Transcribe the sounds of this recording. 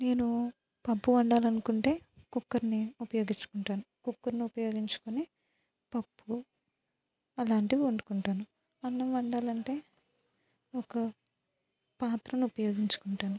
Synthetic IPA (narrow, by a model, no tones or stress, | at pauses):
ne̞ːnu | pɐpːuʋɐɳɖaːlɐnukuɳʈe̞ːkukːɐɾniupɐjo̞ːɡit͡ʃːu̥kuɳʈaːnukukːɐɾniupɐjo̞ːɡiɲt͡ʃu̥koni | pɐbːu | ɐlaːɳʈiʋiuɳɖukuɳʈaːnu | ɐnːɐmʋɐɳɖaːlɐɳʈe̞ː | ɔkɐ | paːt̪ɾɐnuupɐjo̞ːɡiɲt͡ʃu̥kuɳʈaːnu